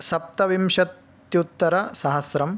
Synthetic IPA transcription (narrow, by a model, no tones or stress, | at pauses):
sɐp̚t̪ɐʋimʃɐt̪ | jut̪ːɐɾɐsɐɦɐsɾɐm